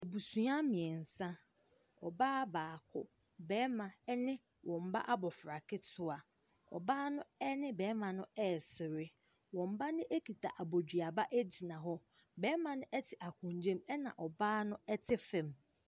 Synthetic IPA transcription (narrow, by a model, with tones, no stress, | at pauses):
e˨bu˨su˨˦a˦mɪ̃˨ɛ˨n̩˨sã˦ | ɔ˨baː˦baː˨kʰʊ˦ | bɛː˨˦mã˨ɛ˦nɪ̃˦ | wʔɔ̃˨m̩˨ba̰˦ʔa˦bɔ˨fɾa˨kʰɪ˦tʰʊ˦a˨ | ɔ̰˨baː˦nʊ̃˦ɛ˦nɪ̃˦bɛː˨˦mã˨nʊ̃˦ɛ˦˨sɪ˨ɾɪ˦ | wɔ̃˨m̩˨ba˦nɪ̃˦ʔe˦kʰi˨tʰa̰˨ʔa˨bo˨dɥa˨ba˦ʔæ˦d͡ʑi˨nã˨ɦɔ˦ | bɛː˦mã˨nʊ̃˦ʔɛ˦tʰɪ˨ʔa˨kʰʊ̃˨ɲ˨d͡ʑẽ˦mɛ˦nã̰˨ʔɔ˨baː˦nʊ̃˦ɛ˦tʰɪ˦fɛ̃˨m